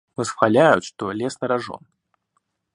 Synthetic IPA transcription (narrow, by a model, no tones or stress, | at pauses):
vɨsxalʲajut̪ʂt̪ɔlʲɛsnɐɾaʐɔ̰n